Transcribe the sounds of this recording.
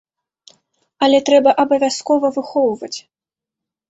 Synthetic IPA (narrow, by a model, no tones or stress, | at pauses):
ɐlʲɛt̪ɾɛbɐʔɐbɐvʲaskɔvɐvɨxɔwvɐt͡sʲ